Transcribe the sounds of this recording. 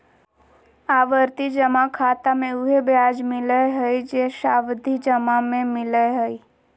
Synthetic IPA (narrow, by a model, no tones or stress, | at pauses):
aʋəɾt̪id͡ʒəmakʰaːt̪amẽʊɦebjaːd͡ʒmɪləɦəid͡ʒeʃaːʋd̪ʱid͡ʒəmamẽmɪləeɦəi